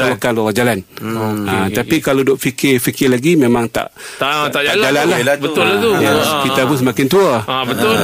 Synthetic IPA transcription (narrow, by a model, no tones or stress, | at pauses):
akanlɔad͡ʒalanat̪apikalodɔʔfikɪfikɪlaɡimẽmãŋt̪a̰ʔ | t̪at̪ad͡ʒald͡ʒalanlahbət̪ʊlat̪ukit̪abʊs̬əmakɪnt̪uabət̪ʊ